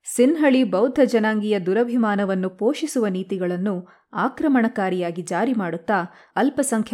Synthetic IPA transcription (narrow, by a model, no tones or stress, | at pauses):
sinɦɐɭibɐwd̪ʱɐd͡ʒɐnaːŋɡijɐd̪uɾɐbʱimaːnɐʋɐnːupoːʃisuʋɐniːt̪iɡɐɭɐnːu | aːkɾɐmɐɳɐkaːɾijaːɡid͡ʒaːɾimaːɽut̪ːa | ɐlpɐsɐŋkʰɐ